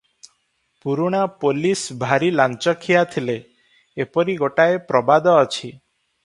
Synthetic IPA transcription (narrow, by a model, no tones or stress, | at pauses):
puɾuɽ̃apolisbʱaɾilant͡ʃɔkʰijat̪ʰileː | pɔɾiɡoʈaepɾɔbad̪ɔːt͡ʃʰi